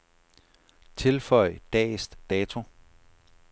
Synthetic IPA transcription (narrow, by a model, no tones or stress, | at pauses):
t͡sʰe̝lfɒɪ̰d̥ɛ̰ːsd̥d̥ɛːt͡sʰo̝